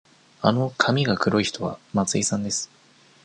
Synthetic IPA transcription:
ano̞kʰamʲiɡakɯ̟ɾo̞içi̥t̪o̞βa̰mat͡sɨisãnd̪e̞sɨ̥

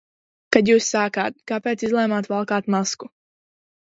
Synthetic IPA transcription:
kad̪juːsːaːkaːt̪̚kapeːt̪sizlˠɛjmaːt̪valˠkaːt̪masku

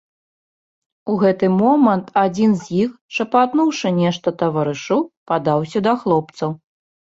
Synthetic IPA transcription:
uɣɛt̪ɨmɔmɐnt̪ad͡zʲinzʲjixʂɐpat̪nuwʂɨnʲɛʂt̪ɐt̪ɐvɐɾɨʂɨwpad̪awsʲɐd̪ɐxlˠɔpt̪sɐw

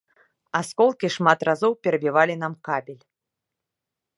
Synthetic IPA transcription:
askɔlˠkʲiʂmat̪razɔwpʲɛɾɐbʲivalʲinamkabʲilʲ

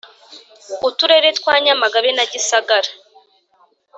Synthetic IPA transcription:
utuɾe̞ɾetkwaːɲamaɡaβenaɟisaɡaɾa

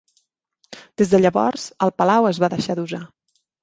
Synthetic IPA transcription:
d̪̥ezðəʎəβɔ̰ɾz̥əlˠpəlawəzβaðəʃaðuza

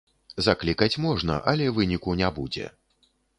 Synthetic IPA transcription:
zaklʲikɐt͡sʲmɔʐnɐ̰ʔɐlʲɛvɨnʲikunʲabud͡zʲɛ̰

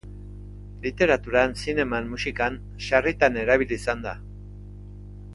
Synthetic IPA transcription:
lit̪e̞ɾat̪uɾansine̞manːusikan | ʃarit̪ane̞ɾaβiliːsand̪a

